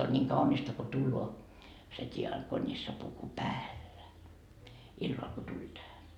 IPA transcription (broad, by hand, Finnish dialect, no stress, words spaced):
on nʲiːŋ kɑunistɑ ko tulːoː se tʲiɑkonisːɑpuku pæːlːæ ilːɑl ko tulʲ tæhæ